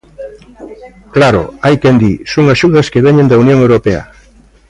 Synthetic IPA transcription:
klaɾo̰ajkend̪isoŋaʃuðɐskeβeɲẽnd̪ɐunjõŋewɾopea̰

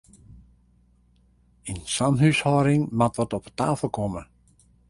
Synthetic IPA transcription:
insanɦyshɔːɾɪŋmatʋɔtɔpətaːfəlˠkʰɔmə

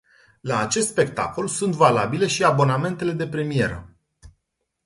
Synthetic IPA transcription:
laːt͡ʃe̞st̪spe̞k̚t̪a̰ko̞lsunt̪vala̰bile̞ʃiabo̞name̞nt̪e̞le̞d̪e̞pɾe̞mije̞ɾə̰

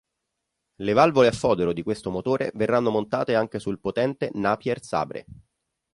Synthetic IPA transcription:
levalvoleafːɔːd̪eɾod̪ikwest̪omot̪oːɾḛverːanːomont̪aːt̪eaŋk̟esulpot̪ɛnt̪enaːpjɛrsa̰ːbɾḛ

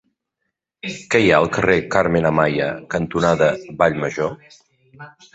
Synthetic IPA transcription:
kɛjaəlˠkərekaɾmenəmajə̰kənt̪unaðəβaʎməʒo

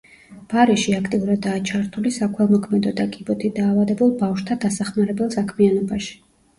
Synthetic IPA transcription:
b̥aɾɛʃiakʰt̪ʼiuɾad̪ːaːt͡ʃʰaɾt̪ʰulisakʰwɛlˠmɔkʰmɛd̪ɔd̪akʼibɔt̪ʰid̪aːvad̪ɛbulˠbafʃt̪ʰad̪asaχmaɾɛbɛlˠsakʰmianɔbaʃi̥

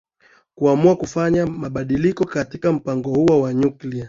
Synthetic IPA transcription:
kuamuakufaɲamaɓaɗilikɔkatikam̩paŋɡɔhuɔwaɲuklia

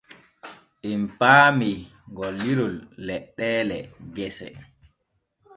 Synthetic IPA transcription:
ʔimpaːmiŋɡɔlːiɾulːɛɗːɛːlɛɡɛsɛ̰

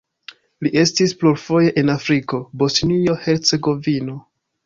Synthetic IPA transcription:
liʔe̞stispluɾfo̞je̞ʔenafɾiko̞bo̞snio̞he̞ɾt͡se̞ɡo̞vino̞

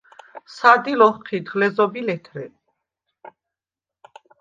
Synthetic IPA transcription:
sad̪ilɔχqʰid̪ʁlɛzɔbilɛt̪ʰɾɛ

